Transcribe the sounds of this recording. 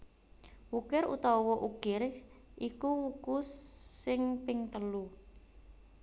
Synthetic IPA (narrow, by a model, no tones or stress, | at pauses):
wukɪɾṵt̪ɔwɔʔuɡ̥ɪrʔikuwukusːɪŋpɪŋt̪əlu